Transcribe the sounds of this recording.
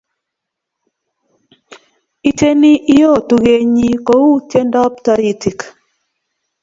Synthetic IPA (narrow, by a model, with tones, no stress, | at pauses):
i˨te˦ni˦ʔi˦jɔ˦˨tu˨ɡe˨ɲi˦kɔ˦u˦tje˦ndɔ˦p̚tɔ˨ɾi˨ti˨k